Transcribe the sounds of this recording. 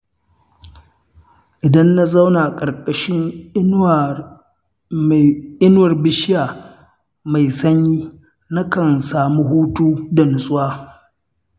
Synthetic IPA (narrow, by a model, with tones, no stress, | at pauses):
ʔɪ˨dɐ˦nːa˦za˦wnaː˨kʼɐ˨rkʼɐ˨ʃɪ˦ŋ˦˨ | ʔɪ˦n˦wɐ˨rbɪ˦ʃɪ˦jaː˨ | ma˨jsɐ˦ɲjiː˦ | na˦kɐ˨nsaː˨mu˦ɦuː˦tuː˦dɐ˨nʊ˨sʼʊ˦waː˦